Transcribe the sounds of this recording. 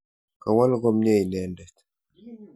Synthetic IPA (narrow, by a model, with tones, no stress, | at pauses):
ka˨wa˦lɡɔ˦mɲe˦i˨nɛ˦ndɛ˨t̪